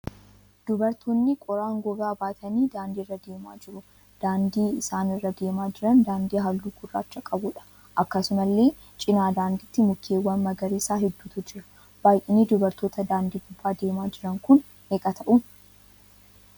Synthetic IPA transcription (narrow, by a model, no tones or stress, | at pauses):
d̪̥ʊbɐɾt̪ʰoːnːɪkʼɔɾaːŋɡɔɡaːbaːt̪ʰɐniːd̪aːnd̪iːrːɐd̪e̞ːma̰ːd͡ʒɪɾʊ | d̪̥aːnd̪iːɪsaːnɪrːɐd̪e̞ːmaːd͡ʒɪɾɐnd̪aːnd̪iːɦɐlːuːɡʊrːa̰ːt͡ʃːɐkʼɐbʊᶑɐ̥ | ʔɐkːɐsʊmɐlːe̞ː | t͡ʃʼɪnaːd̪aːnd̪ɪt̪ːɪmʊkʰːeːwːɐnmɐɡɐɾiːsaːɦɛd̪ːuːt̪ʊd͡ʒɪɾɐ̥ | b̥aːjʔɪneːd̪ʊbɐɾt̪o̞ːt̪ɐd̪aːnd̪iːɡʊbːaːd̪e̞ːmaːd͡ʒɪɾɐŋkʊn | eːkʼɐt̪ɐʔʊ